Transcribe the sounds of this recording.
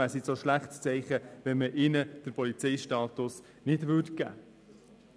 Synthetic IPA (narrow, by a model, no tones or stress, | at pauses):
æsisoʃlæχtst͡sɛɪχəʋɛnməʔɪnəd̥əɾpɔlit͡sɛɪʃtɑːt̪ʊs | nɪdʋʏɾtɡ̥æ̰ː